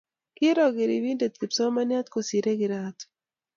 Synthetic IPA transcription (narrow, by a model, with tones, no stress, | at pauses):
kɪ˦ɾɔ˨ɡɪ˨ɾi˨wi˦nde˨t̪̚ki˨psɔ˦ma˦nja˦t̪ko˨si˨ɾe˦ɡɪ˨ɾat̪